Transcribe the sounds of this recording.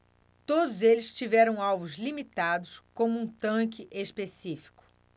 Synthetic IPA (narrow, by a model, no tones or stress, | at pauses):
t̪od̪ʊzelɪst͡ʃivɛɾɐ̃w̃awvʊzlimit̪ad̪ʊskõmʊũt̪ɐ̃k̬ɪʔespesifi̥kʊ̥